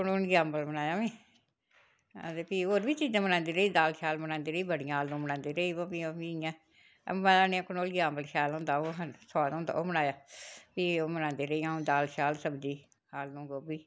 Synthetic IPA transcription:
kʊnoːnɡaːmbəlmənaːjaːʋĩː | t̪eːpiːɦoːɾʋiːt͡ʃiːd͡ʒãːmənãːnd̪iːɾəiːd̪aːlʃaːlmənãːnd̪iːɾəiːbəɽiãːɦaːlnũːmənãːnd̪iːɾəiːʋõːpiːomiːã̰ː | mãaːnĩãːkʊnoːlɡaːmbəlʃaːlɦõːnd̪aːoːɦsɔːd̪ʊːnd̪a̰ːoːmənaːjaːpiːoːmənãːnd̪iːɾəiːãːd̪aːlʃaːlsəbd͡ʒiː | haːlnũːɡoːbiː

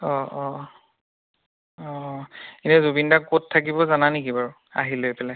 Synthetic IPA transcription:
ɔʔɔ | ɔinɛzobindakottʰːak̬ibɔzananikibaɹʊ | a̰ɦilojpɛla

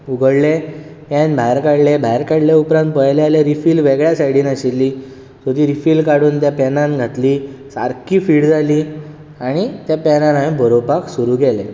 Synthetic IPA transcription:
uɡəɽle | ãnbʱajɾkaɽlebʱajɾkaɽleupɾãnt̪̚pəjlealaɾifiːlʋeɡɭjasaɽiːnaɕelːiː | sod̪iːɾifiːlkaɽuːnt̪japɛnãnɡʱat̪liːsa̰ɾkiːfiːɽd͡zʱaliː | aɽ̃it̪japɛnanaẽbʱəɾobaksuɾuːɡʱɛle

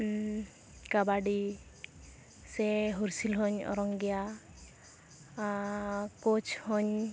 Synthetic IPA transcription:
kabaɖi | seɦuɾsilɦɔɲɔ̰ɾɔŋɡja | kot͡ʃhɔɲ

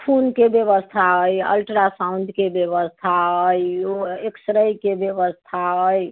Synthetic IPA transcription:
pʰunkebjeβəst̪ʰaəjə̰lʈɾasãund̪ʱkebjeβəst̪ʰaəjoeksəɾəjkebjəbəst̪ʰaəj

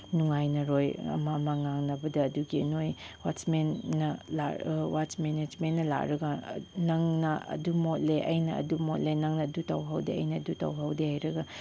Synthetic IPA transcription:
nuŋajnɐɾojɐ̰mɐmɐŋaŋnɐbɐdɐːduɡiɐ̰nojwasmenːɐla̰wat͡ʃmened͡ʒmennɐla̰kɾɐɡɐnɐŋnɐʔɐ̰dumot̚leʔɐ̰jnɐɐ̰dumot̚lenɐŋnɐːdutɐwɦɐwdeɐjnɐːdutɐ̰wɦɐwdehajɾɐɡɐ

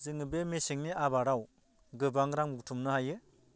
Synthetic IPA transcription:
zɯŋɯbemesiŋniʔabaɾaw | ɡɯbaŋɾaŋmuɡtʰumnɯhajɯ

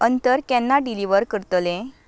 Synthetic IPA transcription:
ənt̪əɾkɛnːaɖiliʋəɾkəɾt̪lẽ

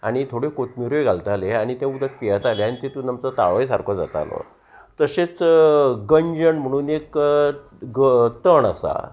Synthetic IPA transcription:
a̰ɽ̃it̪ʰoɽekot̪miɾojɡʱalt̪aleaɽ̃it̪ẽud̪ək̪̚pijat̪aleanit̪et̪unəmt͡sɔt̪aɭəjsaɾkʰɔd͡za̰t̪a̰lɔ̰ | t̪əset͡sɡəɲd͡ʑəɳm̤əɽ̃uːnek | ɡt̪əɳa̰sa̰

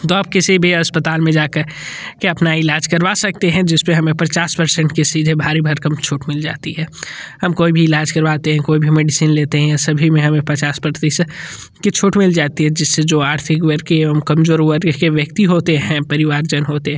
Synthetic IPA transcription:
t̪oaːp̚kesebʱiɐspət̪aːlmẽd͡ʒaːkɐɾ | keɐpnaɪlaːd͡ʒkɐɾʋasɐk̚t̪eɦɛ̃d͡ʒɪspeɦɐmẽpɐt͡ʃaːspɐɾsɛ̃ɳʈkesiːd͡ʒ̪ʱebʱaːɾibʱɐɾkɐmt͡ʃʰʊːʈmɪld͡ʒa̰ːt̪iɦɛːhɐmkoːibʱiɪlaːd͡ʒkɐɾʋaːt̪eɦɛ̃koːibʱimeːɖɪsiːnleːt̪eɦɛ̃jasɐbʱimẽɦɐmẽpɐt͡ʃaːspɐɾt̪is | ket͡ʃʰʊːʈmɪld͡ʒaːt̪iɦɛd͡ʒɪsːed͡ʒoːaːʈt̪ʰɪkʋəɾkeɐmkɐmzoːɾʋəɾkeʋjɐkt̪iɦoːt̪eɦɛ̃pɐɾɪʋaːɾd͡ʒɐnɦoːt̪eɦɛ̃

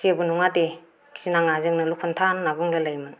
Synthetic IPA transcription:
siabunuŋade | kʰi̥sinaŋazɯŋnɯlukʰɯntʰanːabuŋlɯlajmɯn

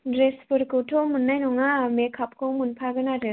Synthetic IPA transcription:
dɾespuɾkutʰomunːajnɔŋamekʰap̚komunpʰaɡɯnaɾe

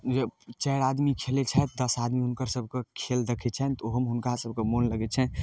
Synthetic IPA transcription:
d͡ʒet͡ʃɛɾad̪mikʰelet͡ʃʰɛt̪̚d̪əsad̪miɦunkəɾsəbʱkekʰeld̪əkʰɛt͡ʃʰɛnt̪oɦəmɦunkasəb̚kemonləɡɛt͡ʃʰɛ

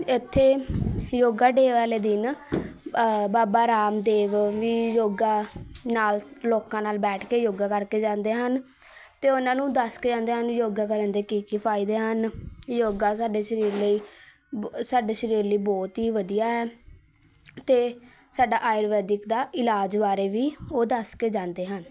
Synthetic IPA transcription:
ɪt̪ʰːeːjoːɡaːɖeːʋaːleːd̪ɪn | baːbaːɾaːmd̪eːʋʋiːjoːɡaːnaːlloːkãːnaːlbɛːʈʰkeːjoːɡaːkəɾkeːd͡ʒãːnd̪eːɦən | t̪eːʊnãːnũːd̪əsked͡ʒãːnd̪eːɦənːjoːɡaːk̬əɾənd̪eːkiːkipʰaːiːd̪eːɦənjoːɡãːs̬aːɖeːʃəɾiːɾləiː | saːɖeːʃəɾiːɾləiːbɔːt̪ɦiːʋəd̪ijaːɦɛː | t̪eː | saːɖaːʔaːɪɾʋɛːd̪ɪkd̪aːʔɪlaːd͡ʒbaːɾeːʋiːoːd̪əskeːd͡ʒãːnd̪eːɦən

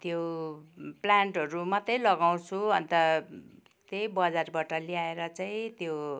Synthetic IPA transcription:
t̪jo | plaɳʈɦʌɾumʌt̪ʌjlʌɡaw̃t͡sʰuʌnt̪ʌ | t̪ejbʌd͡zarbaʈʌliaeɾʌt͡saĩt̪jo

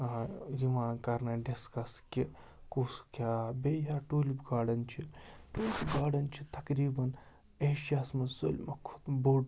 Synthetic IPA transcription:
ziʋãːkɐɾnɐɖiskɐskʲi | kuskʲaːbʲejaːʈuːlibɡaːɖɐnt͡ʃʰiʈoːlibɡaːɖɐnt͡ʃʰit̪ɐkɾiːbɐn | eʃasmɐso̰lʲmɐkʰu̥t̪boːɖ

